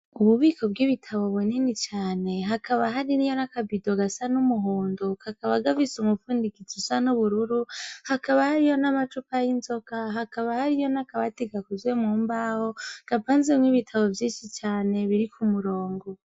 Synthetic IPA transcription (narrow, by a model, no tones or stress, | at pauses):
uβuβiːkʰo̞bɡiβitʰaβo̞βuninit͡ʃaːne̞ɦakaβaɦaɾinijo̞nakabido̞ɡasanumuɦoːndokakaβaɡavisumufuːndikit͡susanuβuɾuɾuhakaβahaɾijo̞namat͡ʃupajinzo̞kaɦakaβahaɾijo̞nakaβateɡakuzwemŋuːmbaho̞ɡ̥apaːnzemŋiβitʰaβo̞vjiːnʃit͡ʃaːne̞βiɾikʰumuɾo̞ːŋɡo